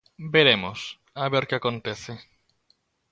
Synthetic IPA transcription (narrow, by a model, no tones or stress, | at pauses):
beɾemos | aβeɾkeakõnt̪eθe